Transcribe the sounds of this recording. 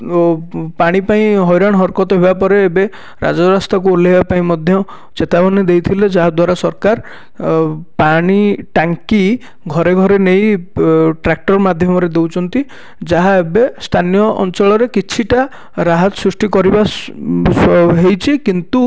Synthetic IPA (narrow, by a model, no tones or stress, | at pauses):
paɽ̃ipaĩɦɔjɾaɽ̃ɦɔɾkɔt̪ɔɦebapɔɾeːbe | ɾa̰d͡ʒɔɾast̪ʰakuulebapaĩmɔd̪ʱjɔ | t͡ʃet̪abɔned̪ejt̪ʰiled͡ʒaɦad̪waɾasɔɾkaɾ | paɽ̃iʈaŋki | ɡʱɔɾeɡʱɔɾenej | ʈɾak̚ʈɔɾmad̪ʱjɔmɔɾed̪ewt͡ʃʰɔnt̪i | d͡ʒaɦaebest̪ʰanijɔʔɔ̰nt͡ʃɔɭɔɾekit͡ʃʰiʈa | ɾaɦɔt̪ɔ̥sɾusʈikɔɾiba | ɦejt͡ʃʰikint̪u